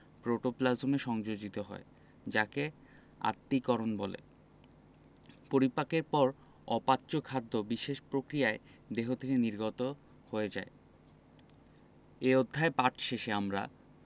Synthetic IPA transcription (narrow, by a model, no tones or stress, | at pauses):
pɾoʈoplazomeʃɔŋd͡ʑod͡ʑit̪oɦɔ̰e | d͡ʑake | a̰t̪ːikɔɾonbɔlḛ | poɾipakeɾpɔɾ | ɔpatːɕokʰad̪ʱːobiʃeʃpɾokɾijae | d̪eɦot̪ʰekeniɾɡɔt̪o | hoed͡ʑa̰e | eod̪ʱːaepaʈʰʃeʃeamɾa̰